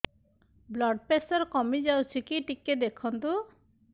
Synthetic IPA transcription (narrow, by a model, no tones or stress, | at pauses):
blɔɖpesɔɾkɔmid͡ʒawt͡ʃʰikiʈiked̪ekʰɔnt̪u